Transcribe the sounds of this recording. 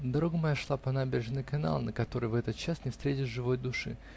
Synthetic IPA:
d̪ɐɾo̞ɡəmɐjaʂlˠapɐnabʲɪɾʲɪʐnɨjkɐna̰lˠnəkɐt̪o̞ɾɨjvɛt̪ət̪̚t͡ɕasnʲɪfst̪ɾʲetʲɪʐɨvo̞jd̪ʊʂɨ̰

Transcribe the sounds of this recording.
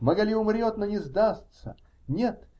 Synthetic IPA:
mɐɡɐlʲiʊmɾʲot̪nonʲɪzd̪ast̪sə̰ | nʲet̪

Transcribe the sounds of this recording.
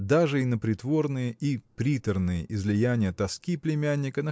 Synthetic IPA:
d̪aʐɨɪnəpɾʲɪt̪vo̞rnɨjəʔipɾʲit̪ərnɨjə̰ʔɪzlʲɪjænʲɪjət̪ɐskʲiplʲɪmʲænʲːɪkənə

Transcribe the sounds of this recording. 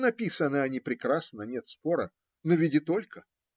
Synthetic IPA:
nɐpʲisənːɨɐnʲipɾʲɪkɾasnənʲet̪spo̞ɾə | novʲidʲɪt̪o̞lʲkə

